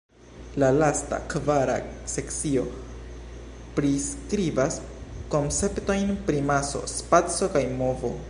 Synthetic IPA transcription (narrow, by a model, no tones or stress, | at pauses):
lalasta̰kvaɾa̰se̞kt͡sio̞ | pɾiskɾivas | ko̞nt͡se̞pto̞jnpɾimaso̞̰spat͡so̞kajmo̞vo̞